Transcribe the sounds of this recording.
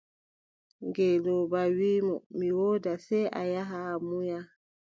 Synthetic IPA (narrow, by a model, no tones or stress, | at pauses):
ŋɡɛlɔbawiːmɔmiwɔːdasɛjʔa̰jaɦamuja